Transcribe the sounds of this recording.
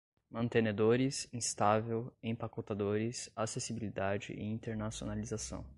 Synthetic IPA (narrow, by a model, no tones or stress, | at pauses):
mɐ̃nt̪ened̪oɾɪsĩst̪avewẽj̃pakot̪ad̪oɾɪsasesibilid̪ad͡ʒɪ̰ʔɪ̰ĩnt̪eɾnasio̰nalizasɐ̰̃w̃